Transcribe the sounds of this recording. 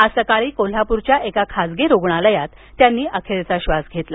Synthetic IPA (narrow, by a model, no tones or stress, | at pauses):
əsəkaɭiːkol̤apuɾt͡ɕjaʔekakʰad͡zɡeɾoɡɳaləjat̪ːjanːiːʔəkʰeɾet͡saɕʋasɡʱet̪la